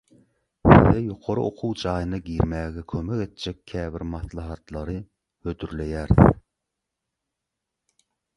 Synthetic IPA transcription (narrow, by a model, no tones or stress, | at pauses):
sɪ̰ðɛjoqʰoɾɨo̰qʰuwd͡ʒɑːjɨnɨɡʲiɾmæːɡʲɛkʲʰømɛkʲet̪̚ʰd͡ʒɛkʲʰæːbɪɾmɑθlˠɑɦɑt̪lˠɑɾɨ | hød̪yɾlɛjæːɾð